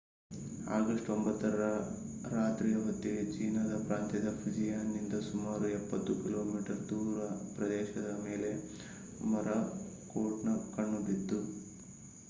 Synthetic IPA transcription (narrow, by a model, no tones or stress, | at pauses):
a̰ːɡɐʂʈombɐt̪ːɐɾɐɾɐ | ɾaːt̪ɾiːjɐʋɐt̪ːit͡ʃiːnɐd̪ɐpɾaːnt̪jɐd̪ɐpʰid͡ʒijaːnːind̪ɐsumaːɾuɛpːɐt̪ːukilo̞ːmiːʈɐɾd̪uːɾɐpɾɐd̪ɛːʃɐd̪ɐme̞ːle̞ | mɐɾɐ | koːʈnɐkɐɳːud̪id̪ːu